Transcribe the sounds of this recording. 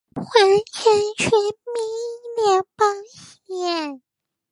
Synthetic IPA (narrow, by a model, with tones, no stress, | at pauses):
xwa˧˥nt͡ɕʰɛ˥nt͡ɕʰɛ˥mi˥˩ljɛ˧˩npɑ˥ŋɕ | ɛ˥˩n